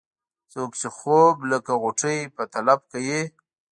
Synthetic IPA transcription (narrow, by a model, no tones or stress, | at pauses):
t͡sokt͡ʃexobləkaɣʊʈ͡ʂəjpət̪alab̚kaje